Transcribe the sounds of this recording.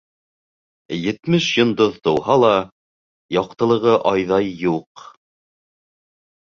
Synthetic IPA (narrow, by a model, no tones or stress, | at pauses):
jɘ̆t̪mɘʃjŏnd̪oðt̪ɤ̆whɑlˠɑ | jɑqt̪ɤ̆lˠɤ̆ʁɤʔɑjðɑjːuq